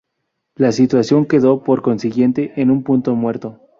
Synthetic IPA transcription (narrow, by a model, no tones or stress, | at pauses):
lasit̪wasjo̞ŋke̞ðo̞po̞ɾko̞nsiɣje̞nt̪e̞ʔenũmpunt̪o̞mwe̞ɾt̪o̞